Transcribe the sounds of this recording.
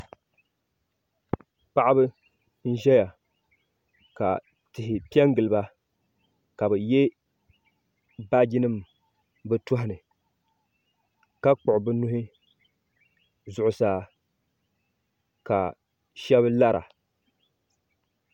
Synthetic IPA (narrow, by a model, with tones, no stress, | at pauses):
k͡pa˦ʔa˦bɨ˦ | n̩˦ʒɛ˦ja˨ | ka̰˨ | tɪ˨hɪ˨pi˦ɛ˦ŋɡɨ˨lɨ˨ba˦ | ka˨bɨ˨jɛ˦ | ba˦ɡi˦nɨ˦m | bɨ˦tʊ˦ɦɪ˦˨nɨ˨ | ka˦k͡pʊ˨ʔʊ˨bɨ˦nʊ˦hɪ˦ | zʊ˨ʔʊ˨saː˦˨ | ka˨ | ʃɛ˦bɨ˦la˦ɾʔa̰˨